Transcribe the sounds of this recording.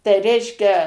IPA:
tɐɪ ˈrʲɛɪʃʲkʲɛ

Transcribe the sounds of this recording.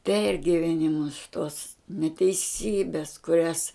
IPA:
ˈpʲɛrʲɡʲɪʋʲɛnʲɪmʊs tuɔs nʲɛtʲɛɪˈsʲiːbʲɛs kʊˈrʲɛs

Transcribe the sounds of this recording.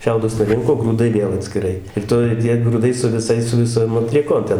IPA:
ˈʃʲɛʊdʊs nʊˈrʲɪŋkoː ɡruːˈdɐɪ ˈʋʲeːlˠ ɐtʲsʲkʲɪˈrɐɪ ɪr ˈtoːj ˈtʲiɛ ɡrʊˈdɐɪ sʊ ʋʲɪˈsɐɪs sʊ ʋʲɪˈsoːm ɐtʲlʲiɛˈkoːm tʲɛn

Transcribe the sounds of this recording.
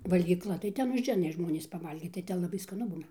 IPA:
ʋɐlʲɡʲiːˈklˠɐ tɐɪ ˈtʲɛn ʊʒʲˈɛɪnɐ ˈʒmoːnʲiːs pɐˈʋɐlʲɡʲiːt tɐɪ ˈtʲɛn lˠɐˈbɐɪ skɐˈnʊ ˈbuːnɐ

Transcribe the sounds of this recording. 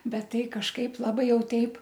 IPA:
ˈbʲɛt ˈtɐɪ kɐʃˈkɐɪp lˠɐˈbɐɪ ˈjɛʊ ˈtʲɛɪp

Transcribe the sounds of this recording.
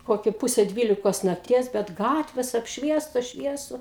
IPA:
ˈkoːkʲɪ ˈpʊsʲɛ ˈdʲʋʲiːlʲɪkoːs nɐkˈtʲiɛs bʲɛt ˈɡɑːtʲʋʲeːs ɐpʲʃʲˈʋʲiɛstoːs ˈʃʲʋʲiɛsʊ

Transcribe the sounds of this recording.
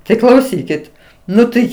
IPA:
tɐɪ klˠɐʊˈsʲiːkʲɪt ˈnʊ tɐɪ

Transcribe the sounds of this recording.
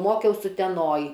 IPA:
ˈmoːkʲɛʊs ʊtʲɛˈnoːj

